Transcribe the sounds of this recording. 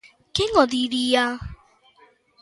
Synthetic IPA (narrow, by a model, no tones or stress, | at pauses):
kɪŋɔdiɾija